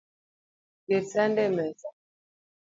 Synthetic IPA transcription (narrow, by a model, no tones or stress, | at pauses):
kɛt͡sandɛmɛt͡sa